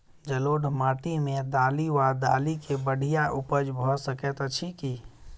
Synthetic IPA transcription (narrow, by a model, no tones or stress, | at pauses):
d͡ʒəloːɖʱmaːʈimẽd̪aːliwad̪aːlikebəɽ̤ʱijaʔupəd͡ʒbʱɔsəkɛt̪t͡ʃʰiki